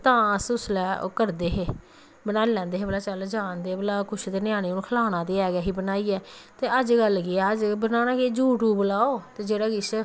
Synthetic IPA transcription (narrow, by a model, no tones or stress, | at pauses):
t̪ãːəsʊslɛːo̰ːkəɾd̪eːɦeː | bənaːlɛ̃ːnd̪eːɦeːbəlaːt͡ʃəld͡ʒãːnd̪eːbəlaːkʊt͡ʃʰt̪eːnɪjãːɽ̃iːʊnũkʰəlaːnãːd̪eːɛːɡaːɦiːbənaːiːɛːt̪eːəd͡ʒɡəlːkɪɛːəd͡ʒbənaːnãːkeːd͡ʒuːʈuːbʊlaːoːt̪eːd͡ʒeːɽaːɡɪs